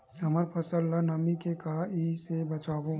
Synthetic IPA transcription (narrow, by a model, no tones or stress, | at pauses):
ɦɐməɾpʰɐsəlːanɐmikekaisebɐt͡ʃaːbo